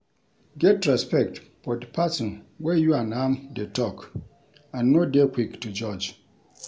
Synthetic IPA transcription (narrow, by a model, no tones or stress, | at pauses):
ɡɛtɾaspʰɛk̚t | fɔdɪpʰasɪ̃nwɛjuanãmdɛtʰɔk | ãnːõdekʷʰiktʰud͡ʒɔd͡ʒ